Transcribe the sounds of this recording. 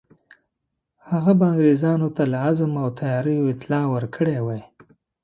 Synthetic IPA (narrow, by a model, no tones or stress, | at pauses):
haɣabaaŋɡɾezɑnot̪alaazmawt̪ʰajɑɾəjoɪt̪lɑwəɾkʰəɽewaj